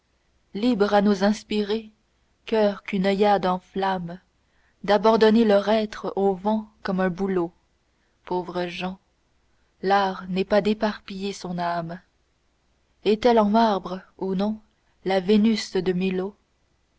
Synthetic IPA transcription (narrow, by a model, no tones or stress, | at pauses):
libʁanuzɛ̃spiʁe | kœʁkynɔjad̪ɑ̃flam | d̪abɑ̃d̪ɔnelœʁɛt̪χovɑ̃kɔmɛ̃bulo | povʁəʒɑ̃ | laːʁnɛpad̪epaʁpijesɔ̃nam | ɛt̪ɛlɑ̃maʁbʁəunɔ̃ | lavenysd̪əmilo